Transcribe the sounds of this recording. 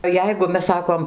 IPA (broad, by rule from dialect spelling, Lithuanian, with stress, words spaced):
ˈjɛɪɡʊ ˈmʲɛs ˈsɑːkoːm